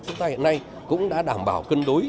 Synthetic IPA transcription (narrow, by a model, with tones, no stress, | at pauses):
t͡ɕʊ˨˦ŋ͡mt̪aː˧hi˨ənːa˧j | kʊ̰˧˥ŋ͡mɗa̰ː˧˥ɗaː˧˩mɓaː˧˩wkə˧ŋɗu˨˦j